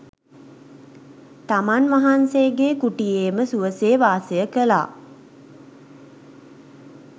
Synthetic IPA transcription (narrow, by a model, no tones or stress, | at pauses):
t̪amanʋaɦanseɡeːkuʈijeːməsuʋəseːʋaːsejəkəla̰ː